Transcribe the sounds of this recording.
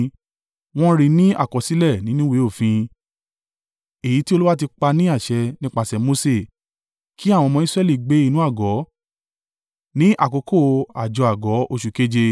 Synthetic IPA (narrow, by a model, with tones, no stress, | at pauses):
w̃ɔ̃˦ɾi˧nĩ˦a̰˦˨kɔ˨si˨˦lɛ˦˨nĩ˨˦nũ˦we˨˦o˦˨fĩ˧ | e˨ji˨˦ti˦o˧lu˦wa˦ti˧k͡pa˧nĩ˦a˦˨ʃɛ˧nĩ˦k͡pa˦˧˨sɛ˨mo˧˦se˦˨ | kʰi˦a˦˨w̃ɔ̃˧mɔ̃˧˦i˦sɾɛ˦˨li˦˨ɡ͡be˨˦i˧nũ˦a˦˨ɡɔ˨˦ | nĩ˦ʔa˦˨ko˨˦ko˦˨a˨d͡ʒɔ˨a˨ɡɔ˨˦o˧ʃu˨ke˦d͡ʒe˧